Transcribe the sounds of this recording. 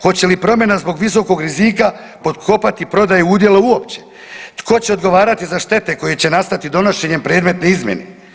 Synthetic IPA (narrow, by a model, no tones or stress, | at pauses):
ko̞t͡ɕe̞lipɾo̞mʲje̞nazbo̞ɡʋis̬o̞ko̞ɡɾiziːka | po̞t̪kʰo̞pat̪ipɾo̞d̪ajuud̪je̞lauo̞pt͡ɕe̞̥ | t̪kʰo̞t͡ɕeo̞d̪ɡo̞ʋaːɾat̪izaʃt̪e̞t̪e̞ko̞jet͡ɕe̞nast̪at̪id̪o̞no̞ʃe̞ɲe̞mpɾe̞ːd̪me̞t̪ne̞izmje̞̰nḛ